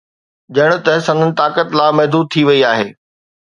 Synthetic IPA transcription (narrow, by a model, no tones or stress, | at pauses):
d͡ʑɐɽ̃ʊ̆t̪ɐɦsɐ̃nd̪ʱənɪ̆t̪aːkət̪laːmɐɦd̪uːd̪̚t̪ʰiʋɐiaːɦeː